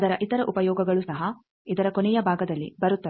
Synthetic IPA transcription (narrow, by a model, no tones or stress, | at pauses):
d̪ɐɾɐʔit̪ɐɾɐʔupɐjɔːɡɐɡɐɭusɐɦɐ | id̪ɐɾɐkonɛjɐbʱaːɡɐd̪ɐlːḭbɐɾut̪ːɐ